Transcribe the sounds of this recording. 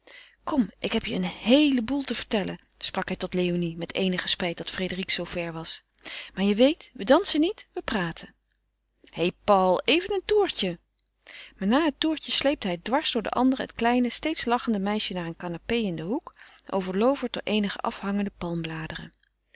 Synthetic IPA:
kɔmʔɪkɦɛpjəənhejləbulˠtəvəɹtɛlə̰n | sprɑkɦɛjtɔtlejonimɛtejnəχəspɛjt̚dɑtfredəriksowv̥ɛɹʋɑs | maːɹjəʋejtʋədɑnsənitʋəpraːtʰən | hejpɑlˠejvənəntuːɹcə | maːɹnaːɦətuːɹcəslejp̚təɦɛjdʋɑɹsd̥ʊːɹdə̰ʔɑ̰ndərəɦətklɛjnəstejtslɑχəndəmɛjʃənaːɹənkanapejɪndəɦukʔo̰wvəɹlowvəɹt̚dɔ̰ɹʔejnəχə̰ʔɑ̰fɦɑŋəndəpɑlˠmblaːdərə̰

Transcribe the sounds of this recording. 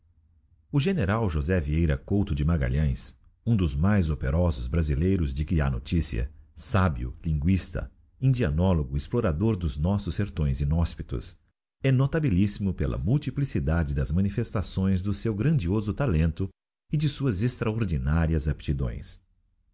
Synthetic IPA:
ʊʒeneɾawʒozɛviejɾɐ̰kowt̪ʊd͡ʒɪmaɡa̰ʎɐ̃j̃s | ũd̪ʊzmajzopeɾɔzʊzbɾazilejɾʊzd͡ʒɪkɪa̰no̰t͡ʃisḭɐ̰sabiʊ̰lĩŋɡwist̪ɐ̰ | ĩd͡ʒianɔloɡʊisploɾad̪oɾd̪ʊznɔsʊsːeɾt̪õj̃zĩnɔspi̥t̪ʊ̰s | ɛnot̪abilisimʊpelɐ̰muwt͡ʃ̪iplisid̪ad͡ʒɪd̪ɐzmɐ̃nifest̪asõj̃zd̪ʊsewɡɾɐ̃d͡ʒiozʊt̪alẽnt̪ʊ | ɪd͡ʒɪsuɐzest̪ɾaoɾd͡ʒinaɾiɐzapɪ̥t͡ʃid̪õ̰j̃s

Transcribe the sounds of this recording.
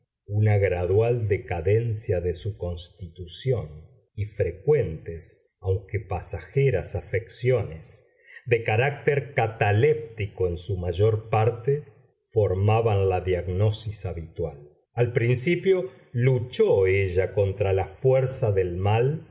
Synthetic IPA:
unaɣɾaðwald̪e̞kaðensjaðesuko̞nst̪it̪usjo̞n | ifɾekwe̞nt̪es | awŋkepasaxeɾasafeksjo̞nes | ðekaɾak̚t̪eɾkat̪alep̚t̪ikoensumaʒo̞ɾpaɾt̪e | fo̞ɾmaβanlaðjaɣno̞sisaβit̪wal | alpɾinsipjo̞ | lut͡ʃoeʒako̞nt̪ɾalafweɾsaðelmal

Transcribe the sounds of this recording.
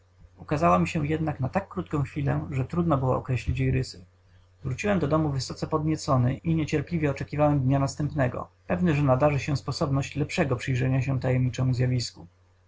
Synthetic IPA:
ukazawɔmʲiɕɛjɛd̪naknat̪akːɾut̪̚kɔ̃w̃xfʲilɛ̰ʐɛt̪ɾud̪nɔbɘwɔ̰ɔkɾɛɕlʲit͡ɕjejɾɘsɘ | vɾut͡ɕiwɛmd̪ɔd̪ɔmuvɘsɔt̪sɛpɔd̪ɲɛt̪sɔnɘʔiɲɛt͡ɕɛɾplʲivʲjɛɔt͡ʂɛkʲivawɛmd̪ɲanast̪ɛmpnɛɡɔ̰pɛvnɘʐɛnad̪aʐɘɕɛspɔsɔbnɔɕt͡ɕlɛpʂɛɡɔpʂɘjʐɛɲaɕ̬ɛt̪ajɛmɲit͡ʂɛmuzʲjavʲisku

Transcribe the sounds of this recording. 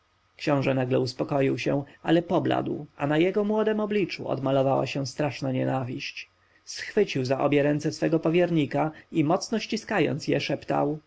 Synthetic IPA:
kɕɔ̃w̃ʐɛnaɡlɛuspɔkɔjiwɕɛ̃ʔalɛpɔbla̰d̪wʔanajɛɡɔmwɔd̪ɛmɔblʲit͡ʂṵɔ̰d̪malɔvawa̰ɕɛ̃st̪ɾaʂnaɲɛnavʲiɕt͡ɕ | sxfɘt͡ɕiwzaʔɔbʲjɛɾɛnt̪sɛsfɛɡɔpɔvʲjɛɾɲikaimɔt̪snɔɕt͡ɕiskajɔ̰nt̪sjɛʂɛpt̪a̰w

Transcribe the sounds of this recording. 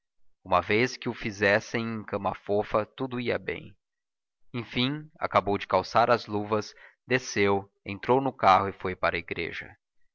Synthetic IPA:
ũmɐveskɪʊfizɛsẽj̃ẽkɐ̃mɐfofɐt̪ud̪ʊiɐbḛ̃j̃ | ẽj̃fĩa̰kabowd͡ʒɪkawsaɾɐzluvɐsd̪esew | ḛ̃nt̪ɾownʊkahʊɪfojpaɾɐiɡɾḛʒɐ̰

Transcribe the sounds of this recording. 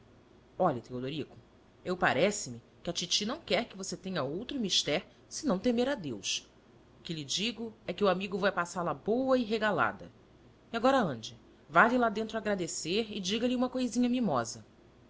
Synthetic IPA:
ɔʎɐt̪eod̪oɾikʊ̥ | ewpa̰ɾɛsɪmi | kɪɐt͡ʃit͡ʃinɐ̃w̃kɛɾkɪvoset̪ẽɲɐowt̪ɾʊmiʃt̪ɛɾ | sɪnɐ̃w̃t̪emeɾad̪ews | ʊkɪlɪd͡ʒiɡʊɛkɪuamiɡʊvajpasaɾlɐbowɐɪɦeɡala̰d̪ɐ̰ | iaɡɔɾɐɐ̃d͡ʒɪ | valɪlad̪ẽnt̪ɾʊaɡɾad̪eseɾɪd͡ʒiɡɐlɪũmɐkojzĩɲɐmimɔzɐ

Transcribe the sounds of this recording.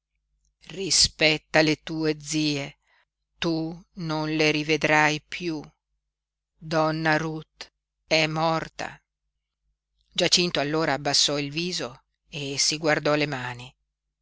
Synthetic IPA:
rispɛt̪ːalet̪uːed̪ziːe | t̪unonleɾived̪ɾajpʰju | d̪ɔnːaɾut̪ | ɛmːɔrt̪a̰ | d͡ʒat͡ʃint̪oalːoːɾaːbːasːɔilviːzo | esiɡward̪ɔlemaːni

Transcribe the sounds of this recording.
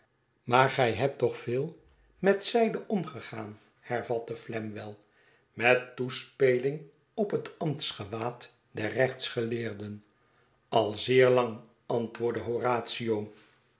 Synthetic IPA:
maːɹχɛjɦɛp̚tɔχfɪːlˠ | mɛtsɛjdəʔɔmχəχaːn | hɛɹvɑtəflɛmʋɛlˠ | mɛtːuspejlɪŋ | ɔpɦətɑmtsχəʋaːt | dɛrrɛχtsχəlɪːɹdən | ɑlˠzɪːɹlɑŋ | ɑntʋʊːɹdəɦoraːtsiow

